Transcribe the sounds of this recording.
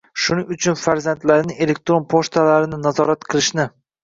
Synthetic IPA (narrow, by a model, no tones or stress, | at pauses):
ʃʊnɪŋʊt͡ʃʰʊnfaɾzant̪laɾnɪe̞le̞k̚t̪ɾo̞npʰoʃt̪ʰalaɾɪnɪnazɒɾat̪qʰɨlˠɪʃnɪ